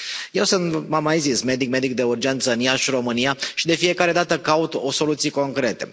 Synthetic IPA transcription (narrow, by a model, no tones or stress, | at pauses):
je̞wsɨnt̪mamajzisme̞d̪ik̚me̞d̪ik̚d̪e̞urd͡ʒe̞nt̪sənijaʃiɾo̞mɨnijaʃid̪e̞fije̞kaɾe̞d̪at̪əkaut̪oso̞lut̪sijeko̞ŋkɾe̞t̪e̞̰